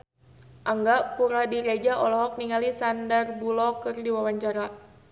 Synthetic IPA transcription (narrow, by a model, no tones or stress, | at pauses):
ʔaŋɡaʔpuɾadiɾed͡ʒaʔɔlɔɦɔk̚niŋalisandarbulɔkɨrdiwawaɲt͡ʃaɾa